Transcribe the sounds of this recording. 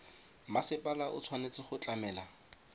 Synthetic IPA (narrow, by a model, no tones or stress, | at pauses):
masɪpʼalaʔʊt͡sʰwanet͡sɪχʊt͡ɬʼamɛːla